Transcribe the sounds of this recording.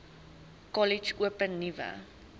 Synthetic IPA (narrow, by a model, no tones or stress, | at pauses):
kɔlit͡ʃuəpənːivə̰